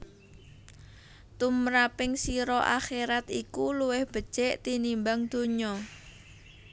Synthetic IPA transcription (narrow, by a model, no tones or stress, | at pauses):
t̪umɾapɪŋsiɾɔʔa̰xeɾat̪ikuluwɪhb̥ə̤d̥ʒ̥ɛʔt̪inimbaŋd̪̥o̤ɲɔ